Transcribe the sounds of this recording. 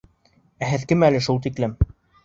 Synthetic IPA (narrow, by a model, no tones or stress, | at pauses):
æɦɘðkɘmælɘʃulˠt̪iklɘm